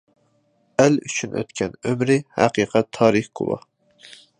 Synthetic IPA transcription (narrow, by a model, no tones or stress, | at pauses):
æly̰t͡ʃʰynʔø̰t̪kʲʰɛnømɾɪhæ̰qiːqʰɛt̪ʰːɑːɾɨhkʰṵlɑ̰